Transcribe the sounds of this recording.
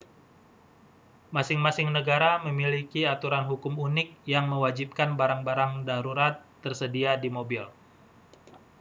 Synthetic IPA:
masɪŋmasɪŋnəɡaɾaməmilikiat̪uɾanɦukʊmunɪk̚jaŋməwad͡ʒip̚kanbaɾaŋbaɾaŋdaɾuɾat̪ːərsədiadimobil

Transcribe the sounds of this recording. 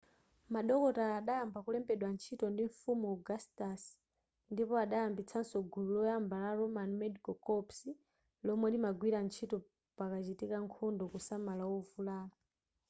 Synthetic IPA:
maɗɔkɔtaːɗajambakulɛmbɛɗwant͡ʃʰitɔndiɱfumuɡastas | ndipɔaɗajambit͡sʰansɔɡʱululɔjambalaɾɔmanmɛdikɔkɔpsi | lɔmwɛlimaɡwiɾant͡ʃʰitɔ | pakat͡ʃitikaŋkʰɔndɔkusamalawɔvulaːa

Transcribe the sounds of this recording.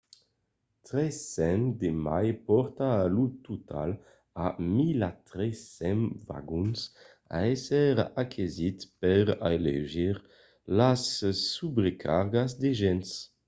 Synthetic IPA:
t̪ɾɛsɛnd̪emajpɔɾt̪aːlut̪ut̪ʰa̰l | amilat̪ɾɛsɛnva̰ɡuns | a̰ɛsɛʁakʰezit̪pɛʁaelḛʒiʁ | lasːubɾekʰaɾɡazd̪eʒɛns

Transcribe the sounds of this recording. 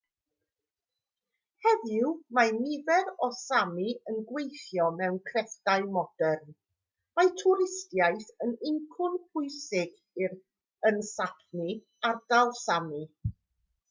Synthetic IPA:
hɛðɪwmanɪðɛɾɔsamiənɡwejθjɔmɛwnkʰrɛθd̥aɨmɔd̥ɛrn | majtʰʊɾɪstjajθənɪŋkʰʊnpʰʊɨsɪɡ | ɪɾ | ənsatni | ard̥alˠsami

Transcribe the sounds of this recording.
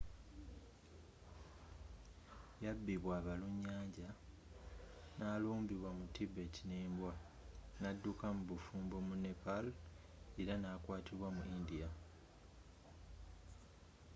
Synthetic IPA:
jabːiβwaːβaluɲːaːɲɟa | naːluːmbiβwamutibe̞tineːmbwa | nadːukamuβufuːmbomunepal | eɾanaːkwaːtiβwamuʔindija

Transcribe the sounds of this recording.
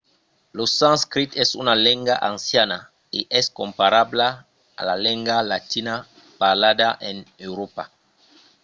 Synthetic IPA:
losãnskɾit̪ɛsunalɛ̃ŋɡaʔãnsjana | eʔɛskõmpaɾabla | a̰lalɛ̃ŋɡalatina | paʁladaʔenewɾopa

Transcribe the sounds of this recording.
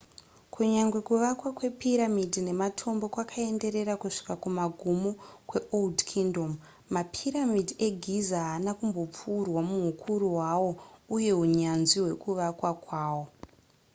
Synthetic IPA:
kʰuɲaŋɡwe̞kuʋakwakwe̞piɾamidʱine̞matʰo̞mbo̞kwakʰae̞nde̞ɾe̞ɾakuʂi̥kakumaɡʱumukwe̞ʔoldkʰindo̞mː | apʰiɾamidʱie̞ɡʱizaɦanakumbo̞p͡furwamuɦukʰuɾuwawo̞uje̞uɲanziɦwe̞kuʋakwakwaːwo̞

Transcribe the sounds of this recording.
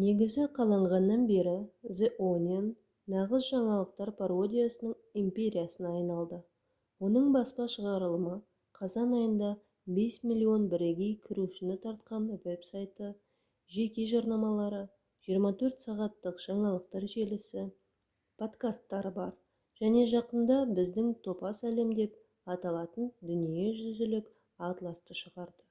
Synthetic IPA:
ne̞ɡʲɪzɪqʰɑlˠɑɴʁɑnːɑnbe̞ɾɪzeʔonʲenː | ɑʁəzʒɑɴɑlˠəq̚t̪ɑɾpʰaɾo̞d̪ʲijasənəɴ | impʲe̞ɾʲijasənːɑjnɑlˠd̪ə | wo̞nəɴbɑspɑʃəʁɑɾəlˠəmə | qʰɑzɑnɑjənd̪ɑ | be̞smilʲːio̞nbɪɾe̞ɡʲe̞jkʲʰɪɾuʃɪnɪt̪ʰɑɾt̪̚qɑnwe̞psajt̪ə | ʒe̞kʲe̞ʒɑɾnɑmɑlˠɑɾə | ʒijəɾmɑt̪ʰɵɾt̪sɑʁɑt̪ːəqʒ̥ɑɴɑlˠəq̚t̪ɑɾʒe̞lɪsɪ | pʰo̞t̪kast̪ːɑɾəbɑɾ | ʒ̥æne̞ʒɑqənd̪ɑbɪzd̪ɪŋt̪ʰo̞pɑsæle̞md̪e̞p̚ | ɑt̪ɑlˠɑt̪ənd̪ʏnijeʒʏzɪlɪk | at̪lˠɑst̪əʃəʁɑɾd̪ə

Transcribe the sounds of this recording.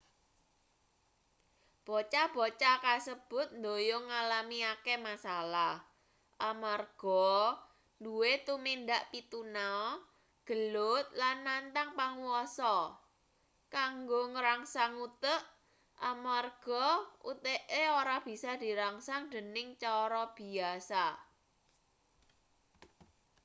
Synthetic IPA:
b̥ɔt͡ʃab̥ɔt͡ʃakasəb̥ʊ̤t̪̚nd̪ojoŋalamiakemasalah | ʔamarɡ̥ɔ | nduwet̪umind̪aʔpit̪unaɔ | ɡ̥ə̤lʊt̪̚lanːant̪aŋpaŋuwɔsɔ | kaŋɡoŋəɾaŋsaŋut̪əʔ | ʔamarɡ̥ɔṵt̪eʔeoɾab̥i̤sɔd̪̥i̤ɾaŋsaŋd̥̪ənɪŋt͡ʃɔɾɔb̥i̤asa

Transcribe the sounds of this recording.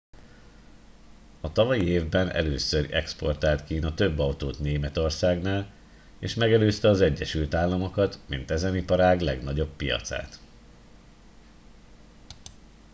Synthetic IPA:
ɒt̪ɒvɒjieːvbɛnʔɛ̰løːsørɛ̰kspo̞̰rt̪aːlt̪kiːnɒt̪ø̞bːɒwt̪oːt̪neːmɛt̪o̞rsaːɡnaːl | eːʃmɛɡɛløːst̪ɛɒzɛɟːɛʃylt̪aːlːɒmo̞kɒt̪mint̪ɛzɛnipɒɾaːɡlɛɡnɒɟo̞pːijɒ̰t̪sa̰ːt̪

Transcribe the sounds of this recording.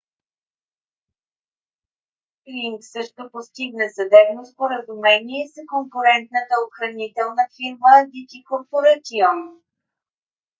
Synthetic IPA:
kɾiŋksɤʃt̪opost̪iɡnəzɐd̪ɛbnospoɾəzumɛnʲiɛsəkoŋkʊɾɛnt̪nət̪əoxɾɐnit̪ɛlˠnəfiɾmənd̪ik̪ikoɾpoɾat̪iɔm

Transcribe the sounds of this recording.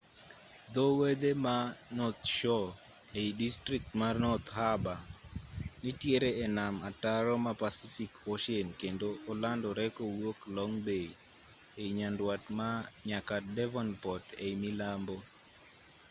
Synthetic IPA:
d̪ɔwed̪emanɔt̪ʃɔ | eidistɾik̚tmarnɔt̪haba | nitjeɾeɛnamataɾɔmapasifikoʃienkendoːlandɔɾɛkɔwoklɔŋbeieiɲandwatmaɲakadɛvɔnpɔtemilambo

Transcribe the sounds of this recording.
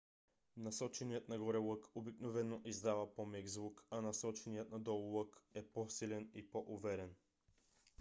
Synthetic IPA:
nasɔt͡ʃɛnijət̪naɡɔɾɛlˠɤkobiknovɛnːoʔizd̪avapɔmɛɡzvukanasɔt͡ʃɛnijət̪nad̪ɔlˠlˠɤkɛpɔsilɛnipoʔuvɛɾɛn

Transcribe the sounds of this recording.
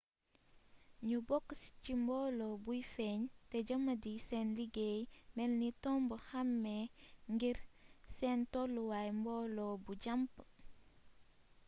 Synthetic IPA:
ɲubɔkːscimbɔːlɔbujfɛɲtɛɟɐmːɐdisɛnliɡeːjmɛlnitɔmbəxɐmːɛŋɡiɾsɛntɔlːuwajmbɔːlɔbuɟɐmp

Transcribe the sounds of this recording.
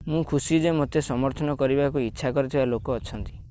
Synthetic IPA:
mũkʰusid͡ʒemot̪esɔmɔɾt̪ʰɔnɔkɔɾibakuitːʃʰakɔɾit̪ʰibalokɔːt͡ʃʰɔnt̪i̥

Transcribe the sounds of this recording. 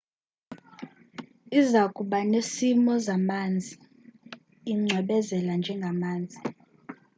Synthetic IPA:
izakʼuɓanesimɔzamaːnd͡zʱi | iŋ͡ǀʱwɛɓɛzɛland͡ʒʱɛŋɡʱamaːnd͡zʱi

